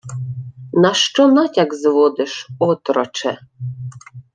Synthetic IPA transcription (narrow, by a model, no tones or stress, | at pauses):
nɑʃt͡ʃɔnɑtʲaɡzʋɔd̪ɪʃɔt̪ɾɔt͡ʃɛ̰